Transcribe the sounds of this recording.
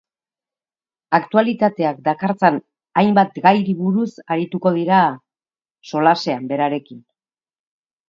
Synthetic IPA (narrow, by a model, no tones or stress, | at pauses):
akt̪ualit̪at̪e̞ak̚d̪akaɾt͡sen | ajmbat̪ɡajɾiβuɾusaɾit̪uko̞ð̞iɾa | so̞lase̞ambe̞ɾaɾe̞kin